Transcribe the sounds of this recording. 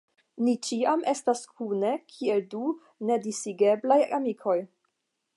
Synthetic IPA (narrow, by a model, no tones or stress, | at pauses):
nit͡ʃiamʔe̞staskʰune̞kʰie̞ldu | ne̞disiɡe̞blajamikʰo̞j